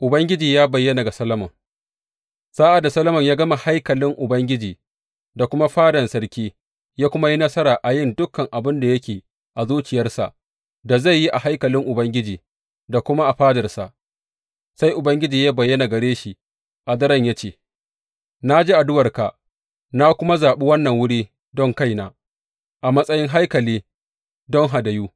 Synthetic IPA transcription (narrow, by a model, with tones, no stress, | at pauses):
ʔʊ˨bɐ˦ŋɡʲɪ˦d͡ʒiː˨jaː˦bɐ˨jːɐ˦na˨ɡa˨sɐ˦lɐ˦mɐ˨ŋ | saː˦ʔa˨dːa˨sɐ˦lɐ˦mɐ˨ɲjaː˦ɡɐ˦ma˨ha˦jkɐ˨lɪ˦ŋʔʊ˨bɐ˦ŋɡʲɪ˦d͡ʒiː˨ | da˨kʷʊ˦ma˦ɸaː˦dɐ˨nsɐ˦rkʲiː˦ | jaː˦kʷʊ˦ma˦ji˦nɐ˦sɐ˦ɾaː˨ʔa˨jɪ˦˨ndʊ˦kːɐ˨ŋʔa˨bɪ˦nda˨jɐ˦kʲeː˨ | ʔa˨zuː˦t͡ʃɪ˨jɐ˦rsa̰˨ʔ | da˨za˦˨jːi˦ʔa˨ha˦jkɐ˨lɪ˦ŋʔʊ˨bɐ˦ŋɡʲɪ˦d͡ʒiː˨ | da˨kʷʊ˦ma˦ʔa˨ɸaː˦dɐ˨rsa̰˨ʔ | sa˦jʔʊ˨bɐ˦ŋɡʲɪ˦d͡ʒiː˨ja˦bɐ˨jːɐ˦na˨ɡɐ˨ɽeː˦ʃi˨ | ʔa˨d̪ɐ˦ɾɐ˦˨ɲja˦t͡ʃeː˨ | na˦d͡ʒe˦ʔa˨dʊ˦wɐ˨rka˨ | na˦kʷʊ˦ma˦zaː˨ɓi˦wɐ˦nːɐ˨ŋwʊ˦ɽiː˦ | dɔ˦˨ŋka˦˨jnaː˨ | ʔa˨mɐ˦sʼɐ˦jɪ˦ŋɦa˦jkɐ˨liː˦ | dɔ˦ŋɦa˨dɐ˨juː˦